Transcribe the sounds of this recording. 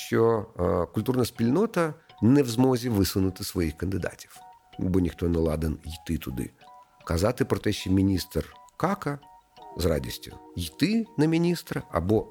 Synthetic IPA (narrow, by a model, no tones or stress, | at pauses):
ɕʲokʊlʲt̪urnəjspʲɪlʲnot̪ənɛvzmozʲɪvɨsɨnʊt̪ɨsʋɐixkənd̪ɨd̪a̰tʲi̥f | ubɔnʲɪxt̪onɛlˠa̰d̪ɨnjɪt̪ɨt̪ʊd̪ɨ̰ | kɐzat̪ɨpɾɔt̪ɛɕʲɪmʲɪnʲist̪rkakɐ | zra̰dʲɪ̰sʲtʲʊ̰jɪt̪ɨnɐmʲɪnʲist̪ɾɐɐ̰bo